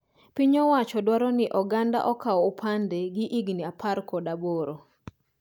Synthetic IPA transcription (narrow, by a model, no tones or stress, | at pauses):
piɲɔwat͡ʃɔdwaɾɔnɪʔɔɡanda̰ʔɔkaɔːpʰandeɡɪʔiɡniapʰarkɔdaboɾo